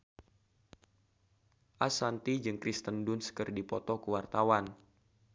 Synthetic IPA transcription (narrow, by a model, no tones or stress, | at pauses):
ʔasant̪id͡ʒɨŋkɾist̪əndʊnskərdipɔt̪ɔkuwart̪awan